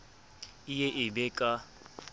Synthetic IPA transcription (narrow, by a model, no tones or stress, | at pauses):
ijeʔɪbɛːkʼa